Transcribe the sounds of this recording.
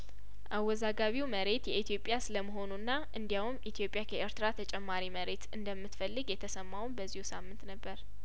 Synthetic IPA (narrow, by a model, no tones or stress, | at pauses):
ʔawːɔzaɡaβiwməɾe̞t̪jɛit̪ʰijo̞pʼːjasɨləməɦo̞nunːaʔɨnd̪jawumit̪ʰjo̞pʼːjakʰəʔeɾt̪ɨɾat̪ʰət͡ʃʼɛmːaɾiməɾe̞t̪ɨnd̪əmːɨt̪fəlːɨɡjɛt̪ʰəsəmːawnbəzːihusamːɨnt̪nəbːəɾ